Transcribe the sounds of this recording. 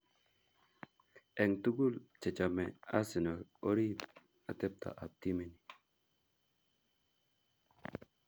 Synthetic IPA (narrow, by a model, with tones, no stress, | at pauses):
e˨ŋt̪u˦ɡu˦lt͡ʃe˨t͡ʃa˨mɛ˨a˦si˨no˨o˦ɾi˦ | a˨t̪e˦p̚t̪a̰˨ʔa˨p̚t̪i˦me˨ni˨